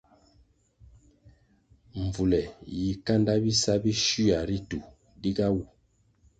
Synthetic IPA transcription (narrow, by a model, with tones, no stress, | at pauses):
ɱ˨vu˨lɛ˨ji˨ka˦nda˦bi˦sa˦bi˦ʃu˦a˨ɾi˦tu˨ | di˦ɡa˦wu˨